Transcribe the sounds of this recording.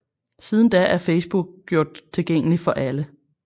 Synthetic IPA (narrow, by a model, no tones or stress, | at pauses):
siːð̞ˠn̩d̥æʔæɐfeɪsb̥uɡ̥̚ɡ̥jo̝ɐ̰d̥̚t͡sʰe̝lɡ̥eŋ̰əlifɒ̽ʔælə